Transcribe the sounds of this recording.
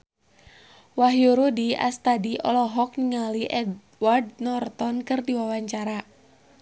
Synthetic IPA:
waɦjuɾudia̰st̪adiʔɔ̰lɔɦɔk̚niŋaliʔɛd | ward̚nɔrt̪ɔnkɨrdiwawaɲt͡ʃaɾa

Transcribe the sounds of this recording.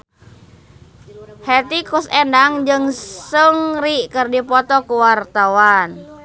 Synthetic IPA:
hɛt̪ikusɛndaŋd͡ʒɨŋsəŋriʔkɨrdipɔt̪ɔkuwart̪awan

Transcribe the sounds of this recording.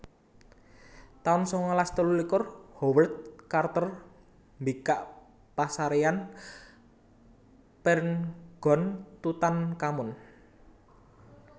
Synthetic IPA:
t̪ansɔŋɔlast̪əlulikʊrhowərt̪̚kart̪ər | mbikaʔ | pasaɾean | pɛrnɡ̥ɔ̤nt̪ut̪ankamʊn

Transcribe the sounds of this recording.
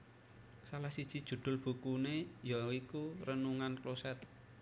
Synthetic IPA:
salahsid̥ʒ̥i̤d̥ʒ̥ṳd̪̥ʊ̤lb̥ṳkunejaikuɾənuŋanklosɛt̪

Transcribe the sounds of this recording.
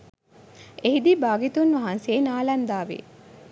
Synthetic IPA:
eɦid̪ibaːɡit̪unʋaɦanseːnaːlɐnd̪aːʋḛ

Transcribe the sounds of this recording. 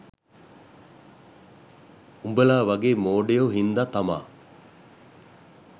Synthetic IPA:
umbəlaːʋɐɡeːmoːɖejoɦind̪at̪ɐma̰ː

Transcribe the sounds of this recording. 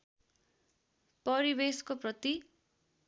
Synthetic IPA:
pʌɾibeskoprʌt̪i

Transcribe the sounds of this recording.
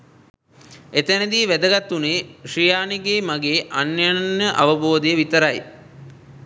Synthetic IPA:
et̪enəd̪iːʋæd̪əɡat̪ːuneːʂijaːniɡeːmaɡeːʔanjannjəʔaʋəboːd̪ejəʋit̪əɾaj

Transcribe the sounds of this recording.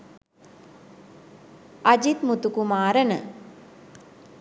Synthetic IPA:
ɐd͡ʒit̪mut̪ukumaːɾənə

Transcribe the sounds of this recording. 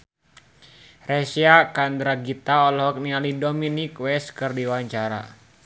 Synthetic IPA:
rɛsiakand̪ɾaɡit̪aɔlɔɦɔk̚nialidominikwɛskɨrdiwaɲt͡ʃaɾa̰

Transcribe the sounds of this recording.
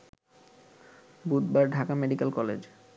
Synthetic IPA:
bud̪baɾɖʱakameɖikelkɔlḛd͡ʑ

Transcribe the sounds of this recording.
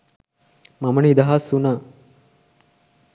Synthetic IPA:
mamɐɳid̪aɦasuna

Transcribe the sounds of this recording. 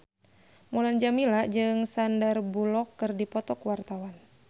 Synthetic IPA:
muland͡ʒamilaʔd͡ʒɨŋsandarbulɔkːɨrdipɔt̪ɔkwart̪awan

